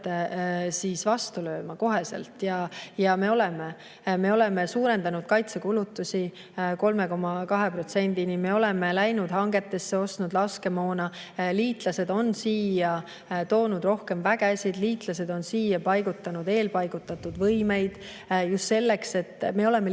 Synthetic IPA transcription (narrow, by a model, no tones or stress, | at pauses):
siːsvɑst̪ulø̞ːmɑko̞ɦe̞sḛlt̪jɑjɑme̞o̞lɛme | me̞o̞lɛ̞mesuːɾe̞nd̪̥ɑnud̪̥̚kɑjt̪sekulut̪ːˑusʲi | ko̞lme̞ko̞mːɑkɑɦe̞pro̞t̪se̞nd̪̥inime̞o̞lɛme̞læjnud̪̥hɑŋɡ̥e̞t̪ːˑe̞sːe̞o̞st̪nud̪lɑske̞mo̞ːnɑ | liːt̪lɑse̞d̪o̞nsiːjɑ | t̪o̞ːnud̪̥ro̞hke̞mvæɡ̥esid̪̥liːt̪ˑlɑse̞d̪o̞nsiːjɑpɑjɡ̥ut̪ːˑɑnud̪̥e̞ːlpɑjɡ̥ut̪ːˑɑt̪ːud̪vɤjme̞jd̪̥ | just̪se̞lːe̞kse̞t̪ːme̞o̞le̞me